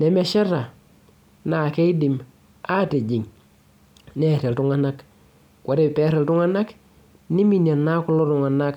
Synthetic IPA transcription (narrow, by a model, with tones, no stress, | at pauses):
ne˨me˦ʃe˦ɾa˨ | na˨ke˦i˦di˨m | a˦te˨d͡ʒi˨ŋ | ne˦˨ɾe˨ltu˦ŋa˦na˦k | kʷwo˨ɾe˨pe˦ɾe˨ltu˦ŋa˦na˦k | ni˦mi˦na˨na˦ku˦lo˦tu˨ŋa˨na˦k